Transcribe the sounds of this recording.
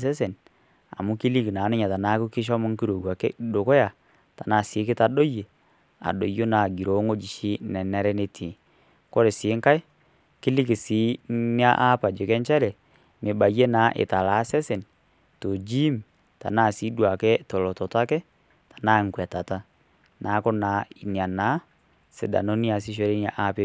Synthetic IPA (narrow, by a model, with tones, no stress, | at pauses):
sɛ˦se˨n | a̰˨mʊ˦ki˦li˦ki˨naː˨˦nɪ˦ɲa˨ta˨na˦ku˦kɪ˦ʃ̬ɔ˦mɔ˦ŋki˦ɾo˨ɡwa˨kɛ̰˦ɗo˨ko˦ja˨ | ta˨na˦˨sɪ˨˦kɪ˦ta˦ɗo˦je˨ | a̰˨ɗo˨jo˦na˨ɡi˨ɾo˨˦ŋo˦d͡ʒi˨ʃi˦nɛ˨nɛ˨˦ɾɛ˦ne˨tʰi˨ | kɔ˦ɾe˨sɪ˨˦ŋka˦j | kɪ˦li˦ki˨si˨˦ni˦a˦ʔa˦pa˨d͡ʒe˨kɛ˦nt͡ʃɛ˦lɛ˨ | mɪ˨ba˨je˦naː˨˦ʔɪ̰˨ta˨la˨˦sɛ˦se˨n | to˨d͡ʒi˦m | ta̰˨na˦˨si˨˦dwa˨kɛ˦tɔ˨lɔ˨tɔ˨ta˦kɛ˦ | tḁ˨na˦˨ŋ˨kwɛ˨ta˨ta˦ | nʔa˨˦ko˦na˨˦i˨nja˨naː˨˦ | se˨˦da̰˨no˦ni˦a˨si˦ʃ̬o˨˦ɾe˦n˦a˨ʔa˦pe˦